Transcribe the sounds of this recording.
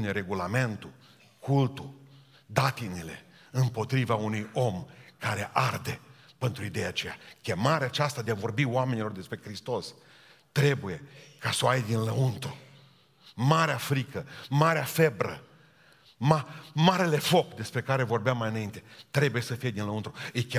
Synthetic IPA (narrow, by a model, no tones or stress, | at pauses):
neɾe̞ɡulame̞nt̪u | kʰult̪u | d̪at̪inile̞̰ | ɨmpo̞t̪ɾivaunujo̞mkaɾe̞ʔard̪e̞pe̞nt̪ɾuid̪e̞jat͡ʃe̞jakʲe̞maɾeaːt͡ʃast̪ad̪eavo̞rbiwame̞nilord̪e̞spɾe̞kɾist̪o̞s | t̪ɾe̞buje̞kasoajd̪inləunt̪ɾu | maɾeafɾikəmaɾeafe̞bɾə̰ | mamaɾe̞le̞fo̞kd̪e̞spɾe̞kaɾevo̞rbeamːajɨnaint̪e̞t̪ɾe̞buje̞səfije̞d̪inləunt̪ɾuɨjkʲ